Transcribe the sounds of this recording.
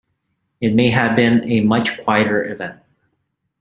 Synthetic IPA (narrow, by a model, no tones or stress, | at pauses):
ɨt̚meɪɨvbɪ̃nɨmʌt͡ʃkʰw̥aɪɨɾə˞ʔɪvɛ̃nt̚